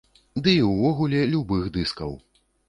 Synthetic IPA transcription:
d̪ɨiwvɔɣulʲɛlʲubɨɣd̪ɨskɐw

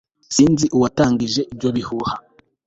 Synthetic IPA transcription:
siːnziʔuwataːŋɡiʒe̞ʔibɟo̞βihuha

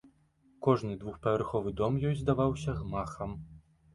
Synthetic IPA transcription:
kɔʐnɨd̪vuxpɐvʲarxɔvɨd̪ɔmjɔjʲzd̪avawsʲɐɣmaxɐm

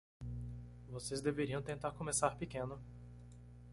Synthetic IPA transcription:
vosezd̪eveɾiɐ̃w̃t̪ẽnt̪aɾkõmesaɾpekẽnʊ

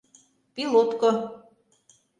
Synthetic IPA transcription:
pilˠot̪ko

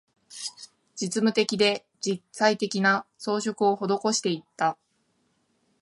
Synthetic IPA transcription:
d͡ʑit͡sɨmɯ̟t̪e̞kʲid̪e̞ | d͡ʑiait̪e̞kʲinaso̞ːɕo̞kɯ̟o̞ho̞d̪o̞ko̞ɕi̥t̪e̞it̪ːa

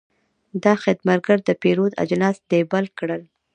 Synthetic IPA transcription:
d̪ɑxɪd̪maɾɡaɾd̪əpeɾod̪a̰d͡ʒlɑsd̪̥ebalkɽəl

